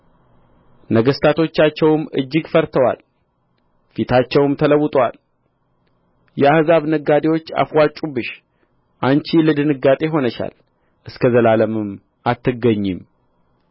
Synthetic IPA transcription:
nəɡəst̪ʰat̪ʰo̞t͡ʃːat͡ʃːɛwɨmɨ̰d͡ʒːɪɡfəɾt̪ʰəwa̰l | fit̪ʰat͡ʃːɛwmt̪ʰələwːʊt̪ʼwal | jɛahzaβnəɡːad̪ewo̞t͡ʃːa̰fwat͡ʃʼubɨʃ | ʔant͡ʃiləd̪ɨnɨɡat̪ʼe̞ɦo̞nəʃa̰l | ʔɨskʰəzəlaləmɨm | ʔat̪ːɨɡːəɲːɪm

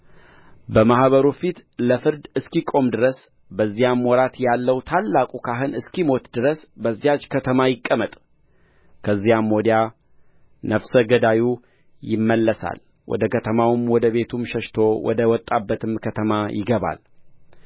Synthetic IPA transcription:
bəmahβəɾufit̪ləfɨɾd̪ɨskikʼo̞md̪ɨɾəs | bəzːijamːwɔɾat̪jalːəwt̪ʰalːakʼukʰaɦɨnɨskimo̞t̪d̪ɨɾəsbəzːijat͡ʃːkʰət̪ʰəmajɪkʼːəmət̪ʼ | kʰəzːijamːod̪ja | nəfsəɡəd̪aju | jɪmːəlːəsa̰l | wʔɔ̰d̪əkʰət̪ʰəmawmwɔd̪əβe̞t̪ʰumʃəʃt̪ʰo̞wʔɔ̰d̪əwɔt̪ʼːabːət̪ʰɨmkʰət̪ʰəmajʔɪɡəβa̰l

